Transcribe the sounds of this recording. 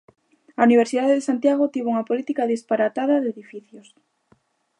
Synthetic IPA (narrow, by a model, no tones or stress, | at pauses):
auniβ̞eɾsiðaðeðesant̪jaɣ̞ot̪iβuŋɐpolit̪ikaðispaɾat̪aðaðeðifiθjos